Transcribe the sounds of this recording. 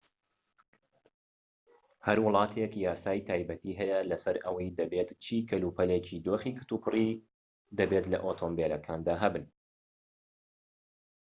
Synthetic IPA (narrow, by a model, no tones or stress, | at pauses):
hɐɾwʊlˠɑːt̪ʰekjaːsaːjt̪ʰaːjbɐt̪iːɦɛjɐlɐsɐɾɐwɐjd̪ɐbeːt̪t͡ʃʰiːkʰɐluːpʰɐleːcʰid̪oːxiːkɨ̥t̪uːpɨri | d̪ɐbet̪lɐ̰ʔoːt̪ʰoːmbelɐkʰaːnd̪aːɦɐbɨn